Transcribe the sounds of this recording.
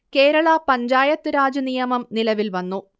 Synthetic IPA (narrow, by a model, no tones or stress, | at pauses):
ke̞ːɾɐɭɐpɐɲd͡ʑaːjɐt̪ːɨɾaːd͡ʑunijɐmɐmnilɐʋilʋɐnːu